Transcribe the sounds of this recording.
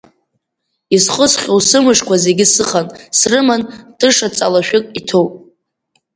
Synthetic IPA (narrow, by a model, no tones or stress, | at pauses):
izχəsχʲowsɨmɨʂkʷaze̞ɡʲɪsɨχansrɨmandʰʼɨʂat͡sʼalaʃᶣʊkʼitʰowpʼ